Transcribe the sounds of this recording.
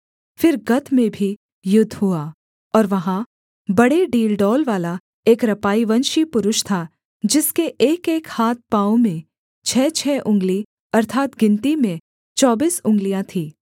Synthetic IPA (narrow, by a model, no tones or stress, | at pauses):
fɪɾɡɐt̪ʰmẽbʱi | jʊd̪ʱːɦuaː | ɔːɾʋɐɦã | bɐɽeɖiːlɖɔːlʋaːla | eːkɾɐpaːiʋɐnʃipʊɾʊʃt̪ʰa | d͡ʒɪskeʔeːkeːkhaːt̪̚paːõmẽ | t͡ʃʰɛːt͡ʃʰɛːʔʊ̃ŋɡli | ɐɾt̪ʰaːt̪ɡɪ̃nt̪imẽ | t͡ʃɔːbiːsʊ̃ŋɡlijãt̪ʰiː